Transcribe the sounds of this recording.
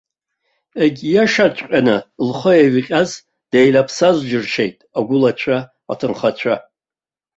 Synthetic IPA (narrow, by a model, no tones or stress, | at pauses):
eɡʲjaʂat͡ʃʷʼqʲʼanɨlχəjaɥiqʲʼaz | d̥ejlapʰsazʷd͡ʒɨrʃejtʼaɡʷʊlat͡ɕʷʰa | a̰tʰɨnχat͡ʃʷʰa